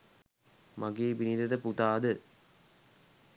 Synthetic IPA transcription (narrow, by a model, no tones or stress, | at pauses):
maɡeːbinid̪ɐd̪əput̪aːd̪ə